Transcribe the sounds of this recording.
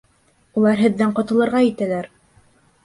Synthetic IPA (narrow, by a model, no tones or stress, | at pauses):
ulˠɑɾɦɘ̆ðːæɴqɑ̆t̪ɤ̆lˠɤ̆ɾʁɑjit̪ælæɾ